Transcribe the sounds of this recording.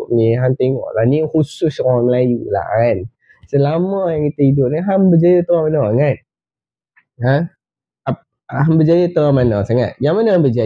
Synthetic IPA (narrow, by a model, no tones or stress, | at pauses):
ʔmiɦamt̪eŋɔ̰ʔlanihusʊskɔaməlajula̰ʔan | səlamɔjaŋkit̪əhidʊp̚niɦambəd͡ʒajət̪əamanɔŋat̪̚ | a | ap̚ | aɦambəd͡ʒajət̪əamanɔsaŋa̰t̪̚jaŋmanəambəd͡ʒa